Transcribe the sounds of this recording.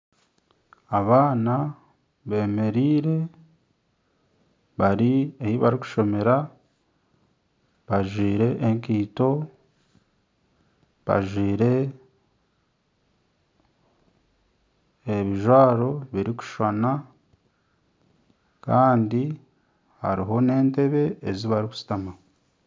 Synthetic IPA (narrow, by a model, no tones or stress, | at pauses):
aβaːna | βe̞ːme̞ɾiːɾe̞ | βaɾiejiβaɾiku̥ʃo̞me̞ɾa | βaʒwiːɾe̞ʔeŋkiːto̞ | βa̰ʒwiːɾe̞ | βiʒwaːɾo̞βiɾiku̥ʃwana | kaːndi | ha̰ɾiɦo̞ne̞ːnte̞βe̞ːziβaɾiku̥si̥tama